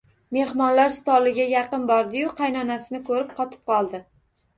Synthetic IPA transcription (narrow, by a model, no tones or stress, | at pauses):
me̞hmɒnlaɾst̪ɒlɪɡʲajɑqɨnbɒɾd̪ɪjʊqʰɑjnɒnasɪnɪkʰɵɾɪp̚qʰɒt̪ʰɪ̥p̚qʰɒlˠd̪ɪ